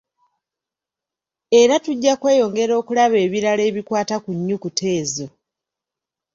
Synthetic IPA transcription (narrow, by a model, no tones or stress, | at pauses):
e̞ɾatuɟːakwe̞ːjo̞ŋɡe̞ɾo̞ːkulaβe̞ːβiɾale̞ːβikwaːtakuɲːukutʰe̞ːzo̞